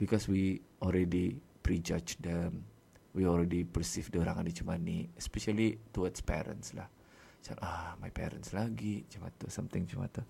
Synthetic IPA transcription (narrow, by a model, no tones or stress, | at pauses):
b̥ikɔswiʔɔlɾɛdipɾid͡ʒad͡ʒdɛm | wiɔlɾɛdipərsifdəoɾaŋandit͡ʃumaniɛspɛʃalit̪uadspɛ̰ɾə̰nsla̰h | t͡ʃa̰namajpɛ̰ɾə̰nslaɡid͡ʒəma̰t̪usamt̪ɪŋd͡ʒəma̰t̪u